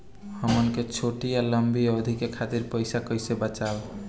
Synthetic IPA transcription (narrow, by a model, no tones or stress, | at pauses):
həmənket͡ʃʰoʈijaləmbiəd̪ʱikekʰat̪iɾpəjsakəjsebət͡ʃal